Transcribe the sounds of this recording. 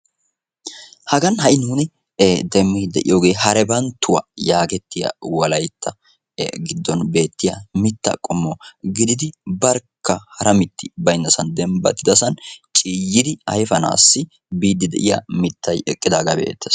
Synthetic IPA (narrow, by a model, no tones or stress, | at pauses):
hɐɡɐnhɐʔɪnuːnɪ | d̪ɛmːɪd̪ɛʔɪ̰joːɡe̞ːhɐɾɛbɐnt̪ːʊwɐ̰jaːɡɛt̪ːɪjɐ̰wɐlɐjt̪ːɐ | ɡɪd̪ːɔnbe̞ːt̪ːɪjɐmɪt̪ːɐ̰kʼɔmːɔɡɪd̪ɪd̪ɪbɐɾkʰːɐhɐɾɐmɪt̪ːɪbɐjɪnːɐsɐnd̪ɛmbɐ̰t̪ːɪd̪ɐsɐnt͡ʃʼiːjːɪd̪ɪɐjfɐna̰ːsːɪ | biːd̪ːɪd̪ɛ̰ʔɪjɐ̰mɪt̪ʰːɐjɛkʼːɪd̪aːɡɐbḛːt̪ːɛs